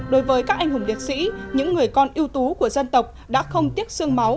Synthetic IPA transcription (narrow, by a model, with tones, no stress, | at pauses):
ɗo˨˦jvəː˨˦jkaː˦˥k̚ʔjŋ̟hʊ˨˧˩ŋ͡mli˨˩ət̚sḭ˧˥ɲɨ̰˧˥ŋːɨ˨˩əjkɔ˧nʔi˧əwt̪u˨˦ku˧˩əzə˧nt̪ə˨˩wk͡p̚ɗa̰ː˧˥xə˧wŋ͡mt̪i˦˥ət̚sɨ˧əŋma˨˦w